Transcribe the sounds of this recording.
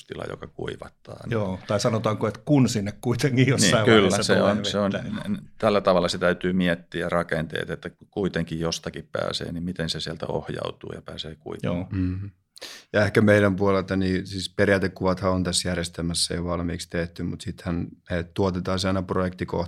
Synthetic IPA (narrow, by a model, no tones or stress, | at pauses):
st̪ilɑ̰jo̰kɑkṵiʋɑt̪ːɑːjoːt̪ɑisɑnot̪ɑːŋkoet̪kunsinːekkuit̪eŋkijosniːɑkylːæseonseonnt̪ælːæt̪ɑʋɑlːˑɑset̪æyt̪yːmiɛt̪ːiːɑrɑkent̪ḛːt̪et̪ːækuit̪eŋkijjost̪ɑkippæ̰ːsḛːnimmit̪ensesiɛlt̪æ̰o̰hjɑ̰ut̪ṵːjɑpæːseːkuio̰ː | jɑehkæmeiɾæmpuolelt̪ɑniːsiːsperjæːt̪ekkuʋɑt̪hɑont̪æsjærjest̪elmæsːeiʋɑlmḭːkst̪eht̪ymut̪sit̪hænnet̪uot̪et̪ɑːsɑinɑprojekt̪iko̰h